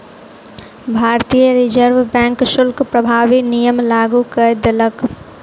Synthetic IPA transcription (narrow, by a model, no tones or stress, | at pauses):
bʱaːɾt̪ijəɾɪd͡ʒəɾʋbɛ̃ːŋkʃʊlkpɾəbʱaːʋinijəmlaːɡukəd̪elək